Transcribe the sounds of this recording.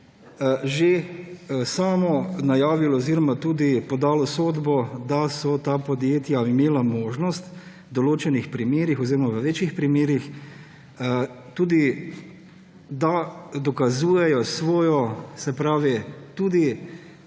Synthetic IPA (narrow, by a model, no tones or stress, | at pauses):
ʒe | saːmɔnajaːʋilɔwziːɾɔmat̪uːd̪ipɔd̪aːlɔsoːd̪bɔd̪asɔt̪aːpɔd̪jeːt̪jaimeːlamoːʒnɔst̪ | d̪ɔloːt͡ʃɛnixpɾimeːɾixɔziːɾɔmaʋəʋeːt͡ʃjixpɾimeːɾix | t̪uːd̪i | d̪ad̪ɔkazuːjɛjɔsʋɔːjɔsɛpɾaːʋit̪uːd̪i